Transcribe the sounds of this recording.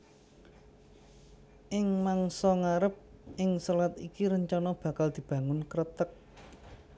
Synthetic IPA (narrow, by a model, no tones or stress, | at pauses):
ʔɪŋmaŋsɔŋaɾəp̚ʔɪŋsɔlat̪ikiɾəɲt͡ʃɔnɔb̥ä̤kald̪̥i̤b̥ä̤ŋʊnkəɾət̪ək̚